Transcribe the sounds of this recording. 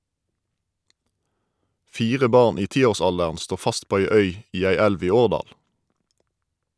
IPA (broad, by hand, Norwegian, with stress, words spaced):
ˈfiːʁə ˈbɑʁn ˈiː ˈtiːoːʁˌsɑldəʁn ˈstoː ˈfɑst ˈpoː ˈæɪ ˈœʏ ˈiː ˈæɪ ˈɛlʋ ˈiː ˈoːʁˌdɑːl